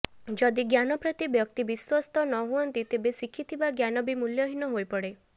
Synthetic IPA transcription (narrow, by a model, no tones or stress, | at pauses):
d͡ʒɔd̪iɡjanɔpɾɔt̪ibjɔk̚t̪ibiswɔst̪ɔnɔɦuɔnt̪it̪ebesikʰit̪ʰibaɡjanɔbimuljɔɦinɔɦojpɔɽe